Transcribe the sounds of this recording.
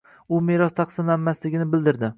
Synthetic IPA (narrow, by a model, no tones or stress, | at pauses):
ʊmeɾɒst̪ʰɑqsɪmlanmaslɪɡʲɪnɪbɪld̪ɪɾd̪ɪ